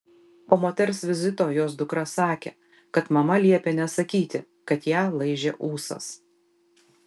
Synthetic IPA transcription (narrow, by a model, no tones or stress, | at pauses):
poːmoːt̪ʲɛɾʲsʲʋʲɪzʲɪt̪oːjoːsd̪ʊkɾɐsɑːkʲḛː | kɐt̪mɐmɐlʲiɛpʲenʲɛsɐkʲiːt̪ʲɪ | kɐt̪jæːlˠɐɪʒʲeʔuːsɐ̰s